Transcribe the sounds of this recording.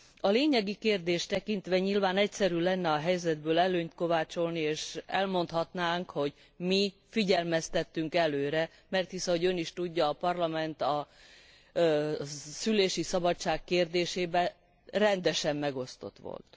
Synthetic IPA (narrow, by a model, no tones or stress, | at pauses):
ɒleːɲɛɡikeːrd̪eːʃt̪ɛkint̪ʋɛɲilvaːnɛcsɛɾylɛnːɛɒɦɛjzɛd̪bøːlɛløːɲt̪ko̞vaːt͡ʃo̞lnieːʃɛlmo̞nt̪hɒt̪naːŋkho̞ɟ | mifiɟɛlmɛst̪ɛt̪ːyŋkɛløːɾɛ | mɛrt̪hisɒɦo̞ɟø̞niʃt̪uɟːɒːpɒrlɒmɛnt̪ɒ | syleːʃisɒbɒtt͡ʃaːkkeːrd̪eːʃeːbɛ | rɛnd̪ɛʃɛmːɛɡo̞st̪o̞̰t̪ʋo̰lt̪